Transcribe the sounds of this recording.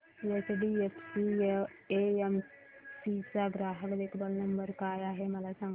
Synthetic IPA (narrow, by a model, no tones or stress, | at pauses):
jesɖiepʰsieeem | sisaɡɾaːɦəkd̪eːkʰbəlnɐmbəɾkaːjaɦemɐlasã